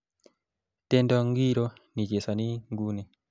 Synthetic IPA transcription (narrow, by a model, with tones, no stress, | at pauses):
te˦ndɔ˦ŋɡi˦ɾo˦ni˨d͡ʒe˨sa˨ni˦ŋɡu˦ne˨